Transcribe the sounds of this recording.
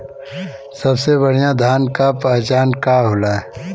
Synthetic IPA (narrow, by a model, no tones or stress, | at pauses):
sɐbseβɐɽ̤ijãd̪ʱaːnkapɛt͡ʃaːnkaɦoːlaːɛ